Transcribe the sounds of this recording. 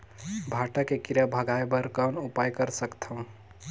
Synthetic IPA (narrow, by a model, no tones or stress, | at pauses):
bʱaʈəkekiɾəbʱəɡʱaebəɾkawnupajkəɾsəkt̪ʰəũ